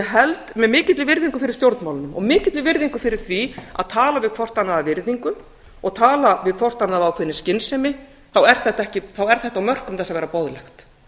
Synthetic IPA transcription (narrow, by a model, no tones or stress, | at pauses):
ɛɦɛlt̪mɛðmɪːcɪt̪lɪvɪɾðiŋkʏfɪɾɪɾ̥st̪jowɾt̪nmawlʏnʏmɔ̰ɣmɪːcɪt̪lɪvɪɾðiŋkʏfɪɾɪɾ̥θvia̰ðt̪ʰaːlavɪðkʰvɔr̥t̪anːaðavɪɾðiŋkʏ | ɔɣt̪ʰaːlavɪðkʰvɔr̥t̪anːaðaawkʰvɪnːɪscɪnsɛmɪ | θawɛɾ̥θɛht̪aɛhcɪθawɛɾ̥θɛht̪awmœr̥kʏmθɛsːavɛːɾapɔðlɛxt̪